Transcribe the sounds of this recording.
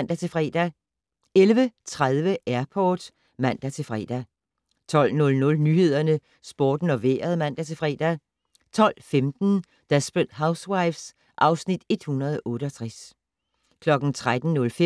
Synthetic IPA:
n̰d̥æt͡sʰe̝fʁɛ̰ːd̥æ | elʋət͡sʰʁaðˠʋəʔæɐpʰɒːd̥ | mæn̰d̥æt͡sʰe̝fʁɛ̰ːd̥æ | t͡sʰɒ̽l̰nɔ̽lnɔ̽lnyːhe̝ð̞̰ˠɐnə | sb̥o̝ːd̥n̩ɒ̽ʋḛːɐð̞ˠmæn̰d̥æt͡sʰe̝fʁɛ̰ːd̥æ | t͡sʰɒ̽l̰femd̥n̩ | d̥æsb̥əd̥häʊswɑɪfs | ʔɑ̈ʊsnid̥e̝d̥hunɐðˠʔɔ̽ːɾ̥əɒt͡sʰʁas | kʰlɒ̽ɡ̥n̩t͡sʰʁad̥n̩nɔ̽lf

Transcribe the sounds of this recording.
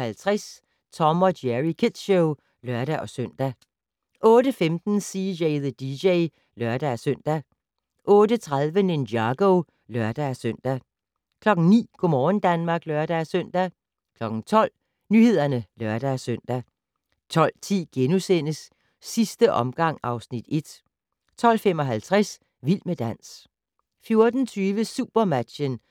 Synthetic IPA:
hælt͡sʰʁas | t͡sʰɒ̽mɒ̽dæʁikʰed̥ɕoʊ | lɶɐɾ̥æʔɒ̽søn̰d̥æ | ʔɔ̽ːɾəfemd̥n̩sijeɪðəd̥iɕeɪ | lɶɐd̥ææsøn̰d̥æ | ʔɔ̽ːdət͡sʰʁaðˠʋəne̝nɑɡ̥oʊ | lɶɐd̥ææsøn̰d̥æ | kʰlɒ̽ɡ̥n̩nḭːɡ̥omɒːn̩d̥ænmɑ̈ːɡ̥lɶɐɾ̥ææsøn̰d̥æ | kʰlɒ̽ɡ̥n̩t͡sʰɒ̽l̰ | nyhe̝ð̰ˠɐnəlɶɐd̥æsøn̰d̥æ | t͡sʰɒ̽l̰t͡sʰḭːɡ̥enusen̰əsː | isd̥əʔɒ̽mɡ̥ɑ̈ŋ̰ɑ̈ʊsnid̥e̝d̥ | t͡sʰɒ̽l̰fem̰ɒ̽ɦælt͡sʰʁas | ʋil̰məd̥æn̰s | fjo̝ɐd̥n̩t͡sʰyːʋəsuːb̥ɐmæd̥ɕən

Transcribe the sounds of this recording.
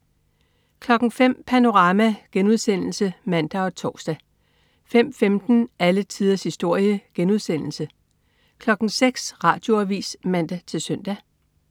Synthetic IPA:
kʰlɒ̽ɡ̥ŋ̩fem̰pʰæno̝ʁɑ̈ːmæɡ̥enuð̞ˠsen̰l̩səmæn̰d̥æɒ̽t͡sʰɒːsd̥æ | fem̰femd̥n̩ælət͡sʰiːð̞ˠɐshisd̥o̝ɐ̰jəɡ̥enuð̞ˠsen̰l̩sə | kʰlɒ̽ɡ̥n̩ŋ̩seɡ̥sʁɑ̈ːd̥jo̝æʋḭːsmæn̰d̥æt͡sʰe̝lsœn̰d̥æ

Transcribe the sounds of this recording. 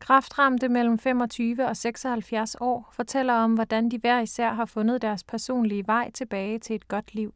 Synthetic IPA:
kʰʁɑ̈fd̥ʁɑ̈md̥əmel̰m̩fem̰ɒ̽t͡sʰyːʋəɒ̽seɡ̥sɒ̽hælfjæɐsɒ̰ːfɒ̽t͡sʰel̰ɐɒ̽mʋɒd̥ænd̥iʋæɐ̰isæɐ̰ɦɑ̈fɔ̽nð̞̩ˠd̥æɐspʰæɐso̝̰ːnliəʋɑ̈ɪ̰t͡sʰe̝b̥ɛːɪt͡sʰe̝e̝d̥ɡ̥ɒ̽d̥liʊ̰

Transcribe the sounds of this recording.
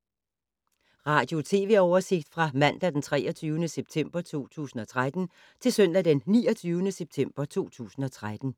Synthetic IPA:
ʁɑ̈ːd̥jo̝t͡sʰe̝ːʋe̝̰ɒʊɐse̝ɡ̥̚d̥fʁɑ̈mæn̰d̥æd̥ent͡sʰʁɛːɐt͡sʰyːʊənəseb̥̚t͡sʰem̰b̥ɐt͡sʰo̝̰ːt͡sʰṵːsn̩ɒ̽t͡sʰʁad̥n̩ | t͡sʰe̝lsœn̰d̥æd̥enːiːɒt͡sʰyːʊnəseb̥̚t͡sʰem̰b̥ɐt͡sʰo̝̰ːt͡sʰṵːsn̩ɒ̽t͡sʰʁad̥n̩

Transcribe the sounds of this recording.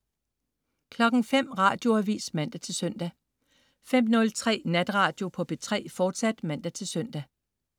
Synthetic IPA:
kʰlɒ̽ɡ̥ŋ̩fem̰ʁɑ̈ːd̥jo̝æʋḭːsmæn̰d̥æt͡sʰe̝lsœn̰d̥æ | fem̰nɔ̽lt͡sʰʁɛ̰ːnæd̥ʁɑ̈ːd̥jo̝pʰɒ̽b̥e̝t͡sʰʁɛ̰ːfɒːd̥sæd̥mæn̰d̥æt͡sʰe̝lsœn̰d̥æ

